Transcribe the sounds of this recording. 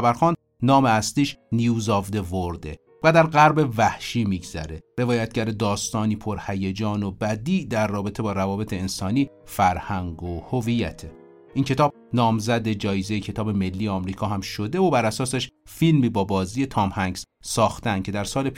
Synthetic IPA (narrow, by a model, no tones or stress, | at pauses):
æbæɾxɒːn | nɒːmeæsliːʃnijuːzovd̪e̞voɾd̪e | væd̪æɾɣæɾbe̞væhʃiːmiɡz̥æ̰ɾe̞re̞vɒːjæt̪̚ɟæɾed̪ɒːst̪ɒːniːpʰoɾhæjed͡ʒɒːnobæd̪iːʔd̪æɾːɒːbe̞t̪ʰe̞bɒːɾævɒːbe̞t̪ʰeːnsɒːniː | fæɾhæŋɡohovijæ̰t̪ʰe | ʔiːŋcʰe̞t̪ɒːb̚ | nɒːmzæd̪e̞d͡ʒɒːjezejecʰe̞t̪ʰɒːbe̞me̞lːiːjeɒːmɾiːkʰɒːɦæmʃo̞d̪e̞vobæɾæsɒːseʃfilmiːbɒːbɒːzije̞t̪ʰɒːmhæŋɡz̥ | sɒːxt̪ænd̪̥̚cʰe̞d̪æɾsɒːlep